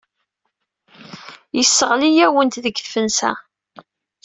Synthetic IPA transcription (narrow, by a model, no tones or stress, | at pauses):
jəsːəʁlijæwənt̪ðəɡfənsæ̰